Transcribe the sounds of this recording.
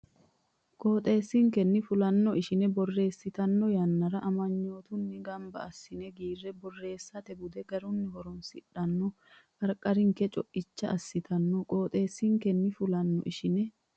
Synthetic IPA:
kʼo̞ːt̪ʼe̞ːsːiŋkɛnːɪfʊlɐnːɔʔɪʃɪnɛbɔrːe̞ːsːɪt̪ɐnːɔjɐnːɐɾɐʔɐmɐɲːoːt̪ʊnːɪɡɐmbɐ̰ːsːɪnɛɡiːrːɛbɔrːe̞ːsːɐt̪ɛbʊd̪ɛɡɐɾʊnːɪɦɔɾɔnsɪᶑɐnːɔ | kɐɾkʼɐɾɪŋkɛt͡ʃʼɔʔɪt͡ʃːɐɐsːɪt̪ɐnːɔkʼo̞ːt̪ʼe̞ːsːɪŋkɛnːɪfʊlɐnːɔ̰ʔɪʃɪnɛ

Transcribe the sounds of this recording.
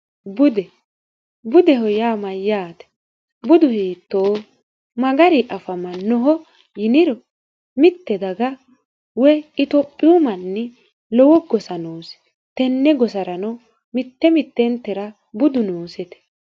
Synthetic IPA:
bʊd̪ɛ | bʊd̪ɛɦɔjaːmɐjaːt̪ɛ̥ | bʊd̪ʊhiːt̪ːoː | mɐɡɐɾɪʔɐfɐmɐnːɔɦɔ | jɪnɪɾɔ | mɪt̪ːɛd̪ɐɡɐ | wɛɪt̪ɔpʼːɪʊmɐnːɛ | lɔwɔɡɔsɐnoːsɛ̥ | t̪ɛnːɛɡɔsɐɾɐnɔ | mɪt̪ːɛmɪt̪ːɛnt̪ːɛɾɐ | bʊd̪ʊnoːsɛt̪ɛ̥

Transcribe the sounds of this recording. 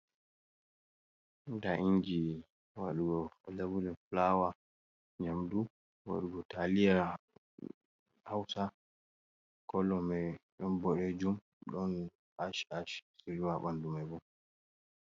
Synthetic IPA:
ndaʔiɲd͡ʒi | wa̰ɗuɡɔlabulɛflawa | ɲamdu | wa̰ɗuɡɔtalija | hawsa | kɔlːɔmɛɗɔnbɔɗɛd͡ʒum | ɗɔn | aʃaʃsiɾwaɓandumɛbɔ

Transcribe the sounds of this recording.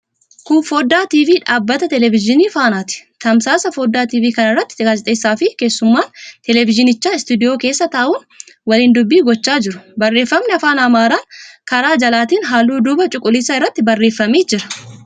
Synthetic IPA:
kʊnfo̞ːd̪aːt̪iːviːᶑaːbːɐt̪ɐt̪ɛlɛvɪd͡ʒɪniːfaːnaːt̪ɪ̥t̪ɐmsaːsɐfo̞ːd̪ːaːt̪iːviːkɐnɪrːɐt̪ːɪ̥ad͡ʒɛt̪ʼeːsːaːfɪke̞ːsːʊmːaːnt̪ɛlɛvɪd͡ʒɪnɪt͡ʃːaːɪst̪ud̪ɪjoːke̞ːsːɐt̪ɐːʔʊːn | wɐliːnd̪ʊbːiːɡɔt͡ʃːaːd͡ʒɪɾʊ̥bɐrːe̞ːfːɐmnɛɐfaːnɐmaːɾaːnkɐɾaːd͡ʒɐlaːt̪iːnɦaːlːuːd̪ʊbɐt͡ʃʼʊkʼːʊlɪsaːɪrːɐt̪ːɪbɐrːe̞ːfːɐmiːd͡ʒɪɾɐ̥

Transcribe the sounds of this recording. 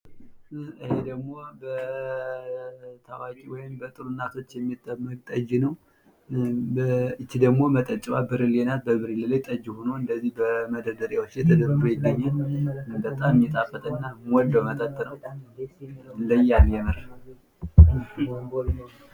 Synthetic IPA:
ɨhed̪əɡmo̞bə | t̪ʰawakʼiwɔjɪmbət̪ʼɨɾunːat̪ʰo̞t͡ʃːjɛmːit̪ʼːəmːəkʼt̪ʼəd͡ʒnəw | əɨt͡ʃːid̪əɡmo̞mət̪ʼət͡ʃʼwabɨɾilenat̪̚bəbɨɾililajt̪ʼəd͡ʒːhonoɨnd̪əzːihbəməd̪əɾd̪əɾjawot͡ʃːjɛt̪ʰəd̪əbːɨɾujɪɡːəɲːanbət̪ʼammjɛt̪ʼafət̪ʰʼənːamwɔld̪owmət̪ʼət̪ʼːnəw | ləjːanjɛmɨɾ

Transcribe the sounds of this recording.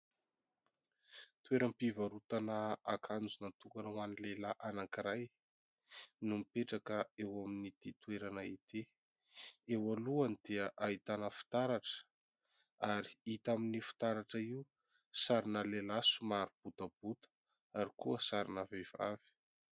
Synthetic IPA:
t̪weɾampivaɾut̪anaakʰand͡zunat̪ukanawanilelaʔanaŋkiɾaj | numipeʈ͡ʂakəewaminid̪̥it̪weɾanait̪ʰe | ewaluanid̪̥eəʔait̪anəfi̥t̪aɾaʈ͡ʂə̥ | aɾi̥it̪aminifi̥t̪aɾaʈ͡ʂaiu | saɾinəlelasumaɾub̥ut̪ab̥ut̪ə̥ | aɾikuəsaɾinavev̥a̰vi̥

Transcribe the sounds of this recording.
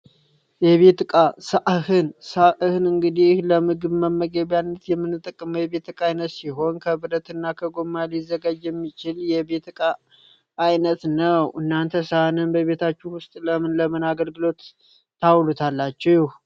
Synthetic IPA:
jɛβe̞t̪ɨkʼasaʔhɨnsaʔhɨnɨŋɡɨd̪ihləmɨɡɨβməməɡeβjanːət̪jɛmːɨnːɨt̪ʼːəkʼːɨmjɛβe̞t̪ɨkʼajnət̪siɦo̞nkʰəbɨɾət̪ʰɨnːakʰəɡo̞mːalizːəɡad͡ʒjɛmːit͡ʃɪljɛbe̞t̪ɨkʼa | ʔajnət̪nəwʔɨnːant̪ʰəsahnɨnbəβe̞t̪ʰat͡ʃːuwʊst̪ʼləmɨnləmɨnaɡəlɡɨlo̞t̪ː | awlut̪ʰalːat͡ʃːɛwjɪh

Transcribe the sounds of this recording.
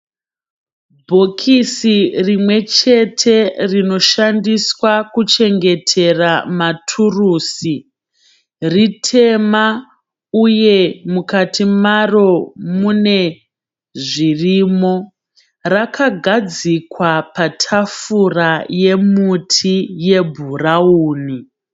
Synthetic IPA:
bʱo̞kʰisirimwe̞t͡ʃe̞tʰe̞rino̞ʃandiswakut͡ʃe̞ŋɡe̞tʰe̞ramatʰuruːsi | ritʰe̞ma | uje̞mukatimaro̞mune̞ | ʐirimo̞ | rakʰaɡʱad͡zikwapatʰafuraje̞mutʰije̞bʱurauːni

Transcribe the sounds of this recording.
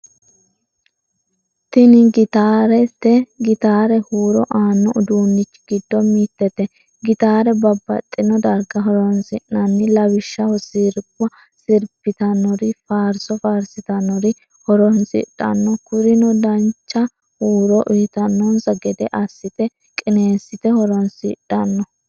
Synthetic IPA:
t̪ɪnɪɡɪt̪aːɾɛt̪ːɛɡɪt̪aːɾɛhuːɾɔʔaːnːɔʊd̪uːnːɪt͡ʃːɡ̥ɪd̪ːɔmiːt̪ːɛt̪ɛ | ɡɪt̪aːɾɛbɐbːɐ̰t̪ʼːɪnɔd̪ɐɾɡɐɦɔɾɔnsɪʔnɐnːɪlɐwɪʃːɐwɔsiːɾkʼwɐ | sɪɾpːɪt̪ɐnɔɾɪfaːɾsɔfaːɾsɪt̪ɐnɔɾɪ | hɔɾɔnsɪ̰ᶑːɐ̰nːɔkʊɾɪnɔd̪ɐnt͡ʃːɐ | huːɾɔʔiːt̪ɐnːɔnsɐɡɛd̪ɛʔɐsːɪt̪ɛ | kʼɪneːsːɪt̪ɛhɔɾɔnsɪ̰ᶑɐnːɔ

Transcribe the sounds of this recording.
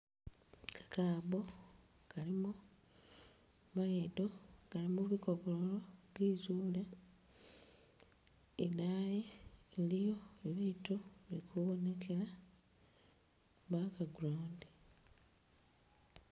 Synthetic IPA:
kʰḁkaːβo | kalimu | βajedokalimuβikoβoloβizuːle | enajeːlijo̞eβitoβiikʰuβone̞kʰe̞la | βakaɡuloːnde

